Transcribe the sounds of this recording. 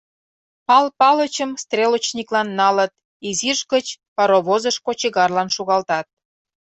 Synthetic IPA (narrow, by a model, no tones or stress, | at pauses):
pɑlpɑlət͡ɕəmst̪rʲelot͡ɕnʲiklɑnːɑlə̆t̪̚ | iziʃɡət͡ɕpɑɾoβozəʃkot͡ɕiɣɑrlɑnʃuɣɑlt̪ɑt̪̚